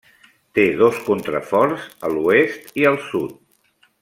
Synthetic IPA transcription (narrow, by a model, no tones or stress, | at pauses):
t̪eð̞oskunt̪ɾə̰fɔɾzəluest̪iəlˠsut̪̚